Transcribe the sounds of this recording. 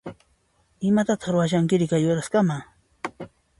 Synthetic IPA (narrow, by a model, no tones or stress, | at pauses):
ɪmat̪at̪ɑ̥χɾʊwaʃ̬aŋkɪɾɪkajʊɾaskamaː